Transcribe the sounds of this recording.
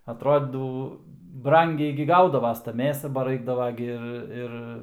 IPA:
ɐtˈroːdʲiːdɐw ˈbrɐŋʲɡʲɛɪ ɡʲɪ ˈɡɐʊdɐʋɐs tɐ ˈmʲeːsɐ bɐ ˈrɐɪɡdɐʋɐ ɡʲɪ ˈɪr ˈɪr

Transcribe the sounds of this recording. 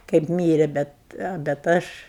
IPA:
kɐɪp ˈmʲiːrʲɛ ˈbʲɛt bʲɛt ˈɐʃ

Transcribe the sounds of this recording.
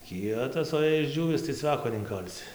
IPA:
ˈkʲiɛtɐs oː jɛɪ ɪʒʲˈd͡ʒʲuːʋʲɪs tɐɪ ˈt͡sʲʋʲæːkoː nʲɛɪŋˈkɐlʲsʲɪ

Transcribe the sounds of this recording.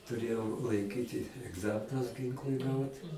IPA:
tʊˈrʲeːjɛʊ lˠɐɪˈkʲiːtʲɪ ɛɡˈzɑːmʲɪnʊs ˈɡʲɪŋklˠʊɪ ˈɡɐʊt

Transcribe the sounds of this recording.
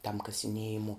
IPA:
tɐm kɐsʲɪˈnʲiɛjɪmoː

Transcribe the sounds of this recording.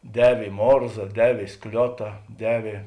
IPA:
ˈdʲæːʋʲeː ɪ ˈmoːrzɐ ˈdʲæːʋʲeː ɪ ˈsklʲoːtɐ ˈdʲæːʋʲeː

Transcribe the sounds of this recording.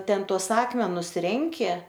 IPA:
ˈtʲɛn tuɔs ˈɑːkmʲɛnʊs ˈrʲɛŋʲkʲɪ

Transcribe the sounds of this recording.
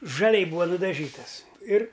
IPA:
ʒɐˈlʲɛɪ ˈbuːʋɐ nʊdɐˈʒʲiːtɐs ɪr

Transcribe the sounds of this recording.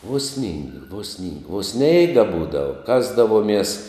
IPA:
uɔ sʲnʲiːŋk ʋoː sʲnʲɪŋk oː ˈsʲnʲɛɪɡɐ ˈbuːdɐʋɐ ˈkɑːzdɐʋuɔmʲiɛs

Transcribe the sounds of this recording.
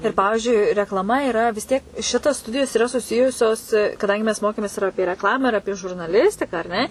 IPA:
ɪr ˈpɑːʋʲɪʒʲʊɪ rʲɛklˠɐˈmɐ ɪˈrɐ ʋʲɪs ˈtʲiɛk ˈʃʲɪtɐs ˈstʊdʲɪjoːs ɪˈrɐ sʊˈsʲɪjʊsʲoːs kɐˈdɐŋʲɡʲɪ mʲɛs ˈmoːkʲeːmʲeːs ɪr ˈɑːpʲiɛ rʲɛkˈlˠɑːmɑː ɪr ˈɑːpʲiɛ ʒʊrnɐˈlʲɪsʲtʲɪkɑː ɐr ˈnʲɛ

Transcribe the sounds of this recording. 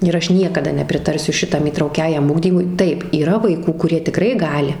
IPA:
ɪr ˈɐʃ ˈnʲiɛkɐdɐ nʲɛpʲrʲɪˈtɐrʲsʲʊ ˈʃʲɪtɐm iːtrɐʊˈkʲæːjɛm ˈʊɡdʲiːmʊɪ ˈtɐɪp iːˈrɐ ʋɐɪˈkuː kʊˈrʲiɛ tʲɪˈkrɐɪ ˈɡɑːlʲɪ

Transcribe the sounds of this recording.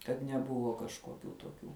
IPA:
kɐt nʲɛˈbʊʋoː kɐʃkoːˈkʲuː toːˈkʲuː

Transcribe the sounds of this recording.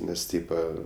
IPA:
ˈnʲɛs ˈtʲiːpɐ

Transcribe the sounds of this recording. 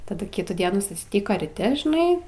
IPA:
tɐˈdʊ ˈkʲɪtuː ˈdʲiɛnuː sʊsʲˈtʲɪkoː rʲiːˈtʲɪ ʒʲɪˈnɐɪ

